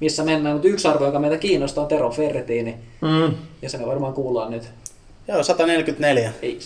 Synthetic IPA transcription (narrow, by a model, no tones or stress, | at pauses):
misːæmenːæːnnut̪yksɑrʋojokɑmeit̪ækiːnːost̪ɑːnt̪eroferet̪iːni | jɑsemeʋɑrmɑːŋkuːlɑːnnyt̪ | joːsɑt̪ɑnelkyt̪neljæei